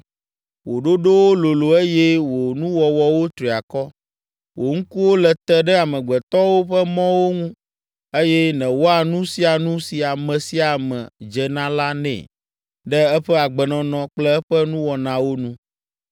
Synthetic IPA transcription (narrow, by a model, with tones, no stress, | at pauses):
wo˨ɖo˦ɖo˦wo˦lo˨lo˨e˦jɛ˦wo˨nũ˦wɔ˨wɔ˨wo˦t̪ɾi˨a˨kɔ˦ | wʔo˨ŋ̩˦ku˦wo˦lɛ˨t̪ɛ˦ɖɛ˦a˨mɛ̃˨ɡ͡bɛ˨t̪ɔ˦wo˦ɸə˦mɔ̃˦wo˦ŋũ˦ | e˦jɛ˦nɛ̃˨wo˦a˨nũ˦si˨a˨nũ˦si˨a˨mɛ̃˨si˦a˨mɛ̰̃˨d͡ʒɛ˨nã˦la˦nɛ̰̃˨ | ɖɛ˦ɛ˦ɸɛ˦a˨ɡ͡bɛ˨nɔ̃˨nɔ̃˨k͡plɛ˦ɛ˦ɸɛ˦nũ˦wɔ˨nã˨wo˦nũ˦